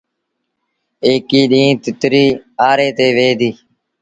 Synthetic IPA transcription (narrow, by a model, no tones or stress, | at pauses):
eːkiːɗĩːt̪ɪt̪ɾiːaːɾeːt̪eːʋeːd̪iː